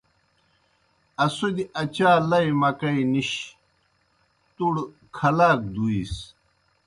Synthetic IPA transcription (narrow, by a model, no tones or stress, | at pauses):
ɐsud̪iɐt͡ɕaːlɐjmɐkɐiniɕ | t̪uɽ | kʰɐlaːk̚d̪uis